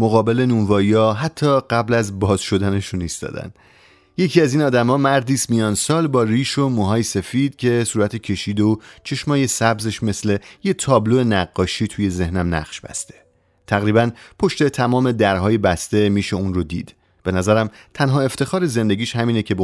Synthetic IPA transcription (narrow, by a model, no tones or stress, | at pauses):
moɣɒːbe̞le̞nunvɒːiɒːɦæt̪ʰːɒːɢæblæzbɒːzʃo̞d̪æne̞ʃunist̪ɒ̰ːd̪æ̰n | je̞cʰiːæziːnɒːd̪æmɒːmæɾd̪iːst̪mijɒːnsɒːlbɒːɾiːʃomuːɦɒːjese̞fiːd̪̥cʰe̞suːɾæt̪ʰecʰe̞ʃiːd̪eot͡ʃʰe̞ʃmɒːje̞sæbze̞ʃme̞sle̞jet̪ʰɒːbloenæɡːɒːʃiːt̪ʰuːje̞ze̞hnæmnæ̰χʃb̥æ̰st̪ʰe̞̥ | t̪ʰæɣɾiːbænpʰo̞ʃt̪e̞t̪ʰæmɒːme̞d̪æɾɦɒːjebæst̪e̞miːʃe̞unrod̪ḭːd̪̥ | b̥e̞næzæɾæmt̪ʰænɦɒːe̞ft̪e̞xɒːɾe̞ze̞nd̪e̞ɟʲiːʃhæmiːne̞cʰe̞b